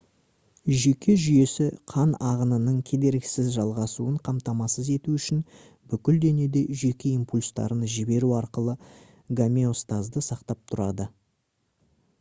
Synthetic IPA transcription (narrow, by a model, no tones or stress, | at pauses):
ʒe̞kʲe̞ʒʏje̞sɪqʰɑnɑʁənənəɴkʲʰe̞d̪e̞ɾksɪzʒɑlˠʁɑsuəɴqʰɑmt̪ɑmɑsəze̞t̪uʏʃɪn | bʏkʲɪld̪e̞ne̞d̪e̞ʒe̞kʲe̞impulʲst̪ɑ̰ɾənʒɪbe̞ɾuɑɾqəlˠə | ɡamʲeo̞st̪azd̪əsɑqt̪ɑp̚t̪ʰʊɾɑd̪ə